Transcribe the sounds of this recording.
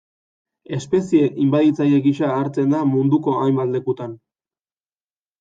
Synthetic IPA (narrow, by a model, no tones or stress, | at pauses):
e̞spe̞sie̞ʔimbaðit͡sajeɣiʃaːɾt͡se̞nd̪amund̪uko̞ajmbald̪e̞kut̪an